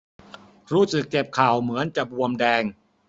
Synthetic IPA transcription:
ɾuː˥˩sɯ˨˩kːe˨˩p̚kʰaː˨˩wmɯ˩˦ənt͡ɕa˨˩bu˧əmdɛː˧ŋ

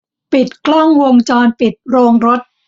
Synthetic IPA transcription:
pi˨˩t̪̚klɔ˥˩ŋwo˧ŋt͡ɕɔː˧npi˨˩t̪̚ɾoː˧ŋɾo˦˥t̪̚

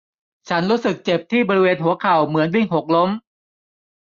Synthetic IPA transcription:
t͡ɕʰa˦˥nɾuː˦˥sɯ˨˩k̚t͡ɕe˨˩p̚t̪ʰiː˥˩bɔː˧ɾi˦˥weː˧nɦu˩˦ɐkʰa˨˩wmɯ˨˩˦ənwi˧˥˩ŋɦo˨˩k̚lo˦˥m

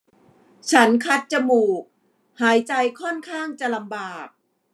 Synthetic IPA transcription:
t͡ɕʰa˦˥nkʰa˦˥t̪̚t͡ɕa˧˩muː˨˩k̚ | haː˩˦jt͡ɕa˧jkʰɔ˥˩nkʰaː˥˩ŋt͡ɕa˨˩la˧mbaː˨˩k̚

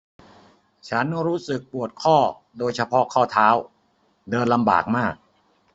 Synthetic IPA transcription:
t͡ɕʰa˦˥nɾuː˦˥sɯ˨˩k̚pu˨˩ət̪̚kʰɔː˥˩ | doː˧jt͡ɕʰa˧pʰɔ˦˥kʰɔː˥˩t̪ʰaː˦˥w | dɤː˧nla˧mba̰ː˨˩k̚maː˥˩k̚

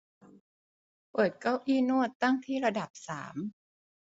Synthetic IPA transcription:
pɤː˨˩t̪̚ka˥˩wʔiː˥˩nu˥˩ət̪ːa˥˩ŋt̪ʰiː˥˩ɾa˧da˨˩p̚sa̰ː˩˦m

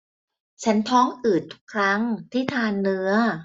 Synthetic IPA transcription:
t͡ɕʰa˦˥nt̪ʰɔː˦˥ŋʔɯː˨˩t̪ʰːu̥˦˥kʰɾa˦˥ŋt̪ʰiː˥˩t̪ʰaː˧nːɯ˦˥ɐ

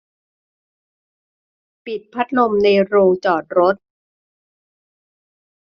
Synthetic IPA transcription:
pi˨˩t̪̚pʰa˦˥t̪̚lo˧mna˧jɾoː˧ŋt͡ɕɔː˨˩t̪̚ɾo˦˥t̪̚

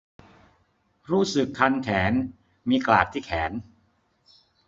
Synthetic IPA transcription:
ɾuː˥˩sɯ˨˩kʰːa˧nkʰɛː˩˦n | miː˧klaː˨˩k̚t̪ʰiː˥˩kʰɛː˩˦n

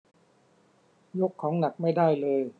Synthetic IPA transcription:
jo˦˥kʰːɔː˩˦ŋna˨˩k̚ma˥˩jdaː˥˩jlɤː˧j

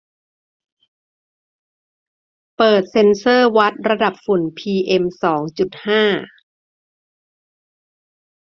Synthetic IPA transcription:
pɤː˨˩t̪̚se˧nsɤː˥˩wa˦˥t̪̚ɾa˧da˨˩p̚fu˨˩˦npʰiː˧ʔe˧msɔː˩˦ŋt͡ɕu˨˩t̪̚haː˥˩

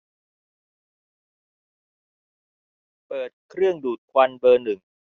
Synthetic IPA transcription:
pɤː˨˩t̪̚kʰɾɯ˥˩əŋduː˨˩t̪̚kʰwa˧nbɤː˧nɯ˨˩ŋ

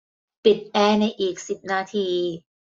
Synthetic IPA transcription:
pi˨˩t̪̚ʔɛː˧˥˩na˧jʔiː˨˩k̚si˨˩p̚naː˧t̪ʰiː˧

